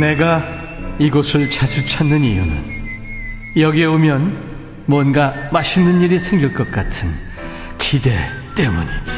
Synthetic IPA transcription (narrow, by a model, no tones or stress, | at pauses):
ne̞ɡa | iɡosʰɯɭt͡ɕad͡ʑut͡ɕʰanːɯnijunɯ̰n | jʌɡieomjʌn | mwʌnɡamaɕʰinːɯniɾisʰe̞ŋɡiɭk͈ʌk̚k͈atʰɯn | kʰide̞t͈emuɲid͡ʑi̥